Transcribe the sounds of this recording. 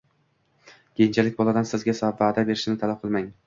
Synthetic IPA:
kʲʰejɪnt͡ʃʰalɪkʲbɒlˠad̪ansɪzɡʲasavaːd̪abe̞ɾɪʃɪnɪt̪ʰalap̚qʰɨlˠmaŋ

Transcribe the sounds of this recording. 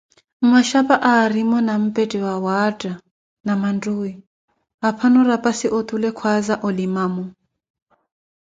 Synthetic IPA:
maʃapʼaʔaːɾimɔnam̩pʼetʼiwawatʼa | namandui | ɦapʰanɔɾapʼasiʔot̪ʼulɛkʰwazaʔɔlimaːmɔ

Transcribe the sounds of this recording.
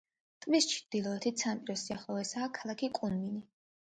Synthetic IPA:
t̪ʼmist͡ʃʰd̪̥ilˠɔɛt̪ʰit̪sʰanpʼiɾɔsiaχlˠɔvɛsaːkʰalˠakʰikʼunmini

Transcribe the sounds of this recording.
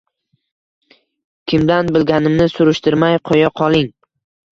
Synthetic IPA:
kʲʰɪmd̪anbɪlɡʲanɪmnɪsʊɾɪʃt̪ɪɾmajqʰojɑqʰɒlˠɪŋ

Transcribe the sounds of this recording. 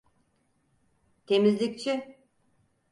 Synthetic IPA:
t̪ʰemizlʲik̚t͡ʃʰi

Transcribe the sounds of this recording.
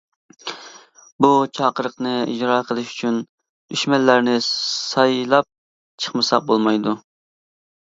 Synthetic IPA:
but͡ʃʰɑːqəɾəqnɨḭd͡ʒɾɑːqʰəlˠɨʃy̥t͡ʃʰyn | yʃmɛlːæɾnɪsɑjlˠɑp̚ | t͡ʃʰə̥χmɨsɑq̚bolˠmɑjd̪u

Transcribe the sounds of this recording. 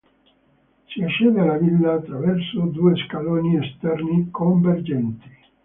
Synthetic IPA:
siaʃːeːd̪ealavilːaːt̪ːɾavɛrsod̪uːeskaloːniest̪ɛrnikʰoɱverd͡ʒɛnt̪i̥

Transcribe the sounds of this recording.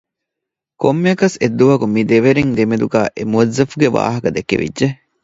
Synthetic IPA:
komːeɐkɐsed̪ːuʋɐkumid̪eʋeɾeŋd̪emed̪uɡæːʔemuɐzːɐfuɡeʋa̰ːɦɐkɐd̪ekːḛʋḭdːʒe

